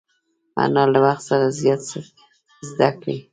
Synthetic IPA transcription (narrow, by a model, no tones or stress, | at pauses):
a̰nɑlawaxt̪saɾazjɑt̪sə | zd̪akɽi